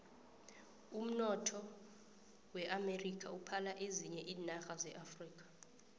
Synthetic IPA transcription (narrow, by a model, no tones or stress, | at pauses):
um̩nɔtʰɔ | wɛʔamerikʰʼaupʰalaʔeziɲɛʔiːnaxazɛʔafriːk̬ʼḁ